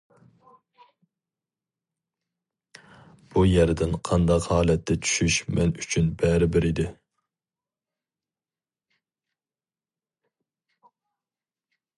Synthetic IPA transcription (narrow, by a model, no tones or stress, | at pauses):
b̥ujɛɾd̪ɪnqʰɑnd̪ɑqhɑːlɛt̪ʰːɛt͡ʃʰy̥ʃyʃmɛnyt͡ʃʰynbɛɾɪbɪɾid̪ɪ